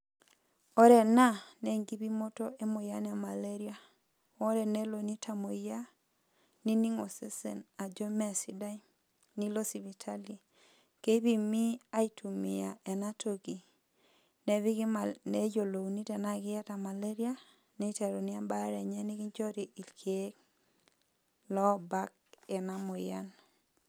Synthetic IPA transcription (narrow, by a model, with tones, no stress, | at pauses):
ɔ˦ɾɛ˨na˦nɛ˨ŋɡi˦bi˦mo˦to˦ʔe˦mo˨ja˦nɛ˦a˨ma˨le˦ɾi˦a˦ | o˦ɾɛ˨nɛ˦lo˨ni˦tʰa˨mo˨˦a˦ | ni˦ni˦ŋo˨se˦sɛ̰˨na˨d͡ʒo˦mɛ˦˨si˦da˦i˦ | ni˦lo˦si˨βi˨tʰa˦li˨ | ke˦βi˨mi˦a˦i˦tʰu˨mḭ˨ja˨ɛ˨na˦tʰo˦ki˨ | nɛ˨βi˦ɡane˦jo˨lo˨u˨ni˦tɛ˨na˦ɡɪ˦ja˦ta˨ma˨le˦ɾi˦a˦ | ne˦i˦ta˨ɾo˨ni˦a˦ba˦ɾɛ˨ɲɛ˦ni˦ki˦ɲt͡ʃɔ˦ɾi˨i˨lkʰe˨˦k | lɔ˦ba˦k̚ɛ˨na˦mo˨ja̰˦n